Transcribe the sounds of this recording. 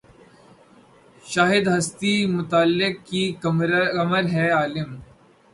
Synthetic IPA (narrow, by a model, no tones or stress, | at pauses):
ʃaːɦɪd̪ɦɐst̪imʊt̪aːlːɪk̚kikkɐməɾɦɛːaːlɪm